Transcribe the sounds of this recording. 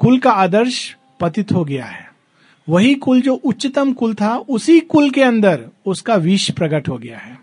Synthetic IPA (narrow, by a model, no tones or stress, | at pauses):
kʊlkaaːd̪əɾʃ | pɐt̪ɪt̪ɦoɡɐja̰ɦɛː | ʋɐɦikʊld͡ʒoːʔʊtːʃɪt̪əmkʊlt̪ʰaʔʊsikʊlkeɐ̃nd̪əɾʊskaʋiːʃpɾɐɡəʈɦoɡɐja̰ɦɛː